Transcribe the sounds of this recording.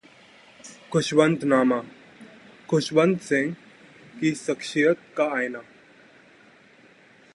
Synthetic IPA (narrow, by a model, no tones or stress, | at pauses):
kʰuɕʋənt̪nama | kʰuɕʋənt̪sẽŋɡ | kisəkʂijət̪̚kaːjna